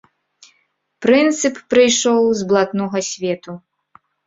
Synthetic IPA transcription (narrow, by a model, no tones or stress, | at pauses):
pɾɨnt̪sɨpːɾɨjʂɔwzblˠat̪nɔɣɐsʲvʲɛt̪u